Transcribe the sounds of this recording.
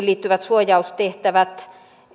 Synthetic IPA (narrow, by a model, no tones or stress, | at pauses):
liːt̪ːyʋæt̪suojɑust̪t̪eht̪æʋæt̪